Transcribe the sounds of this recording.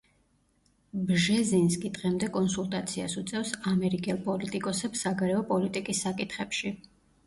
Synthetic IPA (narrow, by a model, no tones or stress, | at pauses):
bʒɛzinskʼid̪ʁɛmd̪ɛkʼɔnsulˠt̪ʼat̪sʰiasut̪sʼɛfsamɛɾikʼɛlˠpʼɔlit̪ʼikʼɔsɛpsaɡaɾɛɔpʼɔlit̪ʼikʼisːakʼit̪ʰχɛpʃi